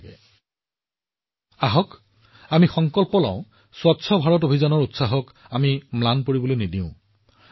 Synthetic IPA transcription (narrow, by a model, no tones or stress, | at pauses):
ɛ | aɦɔk | amixɔŋkɔlpɔlã̰ʊ̃ | swɔtsʰɔbʱaɹɔt̬obʱizɔnɔɹutsaɦɔk | amimlanpoɹibɔlojnidiʊ̃